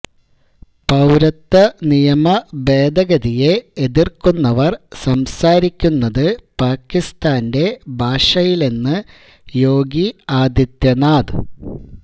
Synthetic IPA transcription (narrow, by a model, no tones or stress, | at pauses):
pɐwɾɐt̪ːɐnijɐmɐbe̞ːd̪ɐɣɐðije̞ːðirkunːɐʋɐrsɐmsaːɾikʲːunːɐðɨpaːkːist̪aːnde̞bʱaːʂɐjile̞nːɨ | jo̞ːɡiaːd̪jɐt̪jɐnaːd̪ɨ